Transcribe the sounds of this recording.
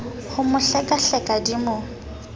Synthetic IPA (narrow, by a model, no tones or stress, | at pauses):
hʊmʊɬɛkʼaɬɛkʼadimʊ